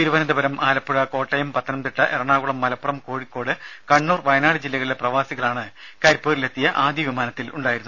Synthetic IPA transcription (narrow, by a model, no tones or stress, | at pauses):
t̪iɾuʋɐnɐd̪ɐbɐɾɐmʔaːlɐpːuɻɐko̞ːʈːɐjɐmpɐt̪ʰːɐnɐmt̪iʈːɐʔerɐɳaːɣuɭɐmːɐlɐpːurɐmko̞ːɻikːo̞ːɽɨkɐɳːuːrʋɐjɐnaːɽɨd͡ʑilːɐɣɐɭileprɐʋaːsiɣɐɭaːɳɨkɐɾpːeːrile̞t̪ːijɐʔaːd̪jɐʋimaːnɐt̪ːiluɳɖaːjiɾunː